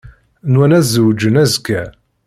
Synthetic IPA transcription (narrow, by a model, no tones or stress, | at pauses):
nwænæzəwd͡ʒənæzkːæ